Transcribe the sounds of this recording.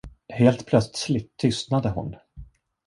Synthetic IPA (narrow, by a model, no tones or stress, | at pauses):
heːlt̪pʰlœt̪slɪt̪ʰːʏst̪nad̪əhʊ̰n